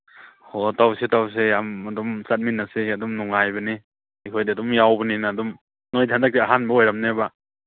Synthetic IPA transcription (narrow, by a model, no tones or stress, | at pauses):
hotawsitaws̬ejamadɔmsat̚minnːasiadɔmnɔŋajbɐni | ikʰojdiadɔmjawbɐninaːdum | nojtʰandak̚tiaɦanbaojɾamneba